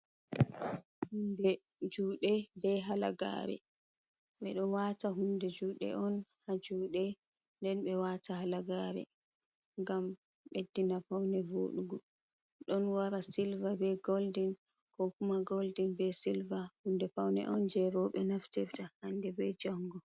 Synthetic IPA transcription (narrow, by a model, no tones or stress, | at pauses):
hundɛ | d͡ʒuːɗɛbɛɦala̰ɡa̰ɾɛ̰ | ɓɛ̰ɗɔwataɦundɛd͡ʒuːɗɛ̰ʔɔnhad͡ʒuːɗɛ | ndɛnɓɛwatahalaɡaɾɛ̰ | ŋɡam | ɓedːinafawnɛvo̰ːɗuɡɔ | ɗɔnwaɾasilvabɛɡoldin | kɔkumaɡoldinbɛsilvahundɛfawnɛ̰ʔɔnd͡ʒɛɾɔɓɛnaftiɾtahandɛbɛd͡ʒɔŋɡɔ